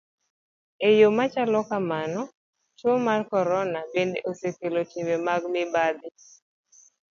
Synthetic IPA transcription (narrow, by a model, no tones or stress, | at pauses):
ejomat͡ʃalɔkamanɔ | t͡ʃomarkɔɾɔnabendeʔosekelotimemaɡmɪbad̪ɪ